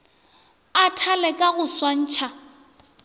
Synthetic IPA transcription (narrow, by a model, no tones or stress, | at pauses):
atʰalɛkʼaɣʊswan̩ːt͡ʃʰa